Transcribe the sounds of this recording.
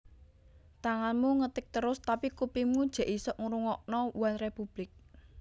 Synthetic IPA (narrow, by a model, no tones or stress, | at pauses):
t̪aŋanmuŋət̪ɪk̚t̪əɾʊst̪apikupimud̥ʒ̥ä̤ʔisɔʔŋɾuŋɔʔnɔwanrepub̥lɪk̚